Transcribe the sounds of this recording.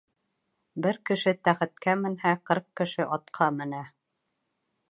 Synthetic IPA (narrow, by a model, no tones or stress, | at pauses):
bɘɾkɘ̆ʃɘt̪æχɘ̆t̪̚kæmɘ̆nhæqɤɾq̚kɘ̆ʃɘʔɑt̪qʰɑmɘ̆næ